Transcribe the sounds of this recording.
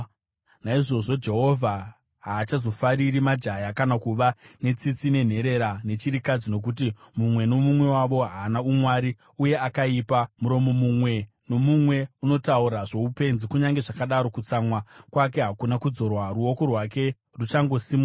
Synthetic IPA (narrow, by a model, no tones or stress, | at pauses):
naiʐo̞ʐo̞d͡ʒe̞ɦo̞vʱa | ɦaːt͡ʃazo̞faɾiɾimad͡ʒajakanakuʋane̞t͡sit͡sine̞n̤e̞ɾe̞ɾane̞t͡ʃiɾikad͡zino̞k̬ut̬i | mumwe̞no̞mumwe̞waʋo̞ɦaːnaumwaɾi | uje̞akaipamuɾo̞mo̞mumwe̞ | no̞mumwe̞uno̞tauɾaʐo̞upe̞nzikuɲaŋɡe̞ʐakaɗaɾo̞kut͡samwakwak̬e̞ɦakunakud͡zo̞rwaruo̞ko̞rwak̬e̞ | rut͡ʃaŋɡo̞simu